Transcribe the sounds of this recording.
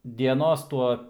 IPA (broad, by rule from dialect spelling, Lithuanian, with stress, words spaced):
dʲiɛˈnoːs ˈtuɔ